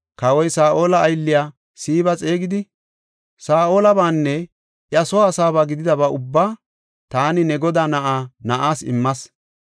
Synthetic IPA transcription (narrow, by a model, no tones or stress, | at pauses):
kɐwɔjsaːʔo̞ːlɐːjlːɪjaː | siːbɐt͡sʼe̞ːɡɪd̪ɪ | saːʔo̞ːlɐbaːnːɛ | ʔɪɐsɔwaːsaːbaːɡɪd̪ɪd̪ɐbɐʔʊbːaː | t̪aːnɪnɛɡɔd̪aːnɐʔaːnɐʔaːsɪ̰mːɐs